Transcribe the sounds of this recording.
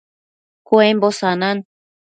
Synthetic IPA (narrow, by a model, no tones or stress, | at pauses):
kuembosanan